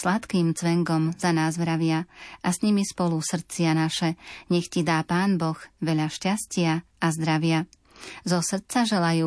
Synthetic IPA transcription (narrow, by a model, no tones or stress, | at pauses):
slat̪kiːmt͡sʋɛŋɡɔmzanaːzʋɾaʋɪaʔasɲimispɔlusr̩t͡sɪanaʃɛɲɛxcid̪aːpaːnbɔxʋɛʎaʃcascɪa | azd̪ɾaʋɪa | zɔsr̩t͡saʒɛlajuː